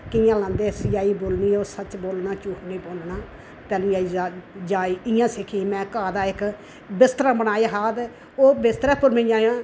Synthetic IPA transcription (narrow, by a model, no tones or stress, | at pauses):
kɪjãːlãːnd̪eːsɪjaːiːboːlniːoːsət͡ʃboːlnãːt͡ʃuːkʰnĩːpõːnd̪naː | t̪ɛːnĩːaːiːaːd͡ʒaːiːɪjãːsɪkʰiːmɛ̃ːkaːd̪aːɪk | bɪst̪ɾãːbənaːjeːɦaːd̪ | oːbɪst̪ɾɛːpʊɾmĩd͡ʒãːjãː